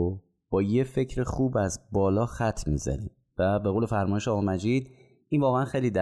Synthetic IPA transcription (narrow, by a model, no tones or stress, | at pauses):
b̥ɒːje̞fe̞cʰɾexuːbæzbɒːlɒːxæt̪ʰmḭːzæ̰nḭm | væbe̞ɣoːlefæɾmɒːjeʃɒːɣɒmæd͡ʒid̪̚ | invɒːɣeænxejliːd̪æ